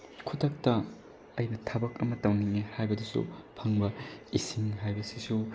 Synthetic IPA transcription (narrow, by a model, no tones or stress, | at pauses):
kʰutʰɐk̚tɐː | jnɐtʰɐbɐk̚ɐmɐtɐwniŋehajbɐdusṵpʰɐŋbɐisiŋɦajbɐsisu